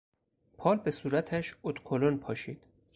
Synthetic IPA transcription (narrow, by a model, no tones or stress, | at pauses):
pʰɒːlbe̞suːɾæt̪ʰæʃot̪kʰolonpʰɒːʃiːd̪̥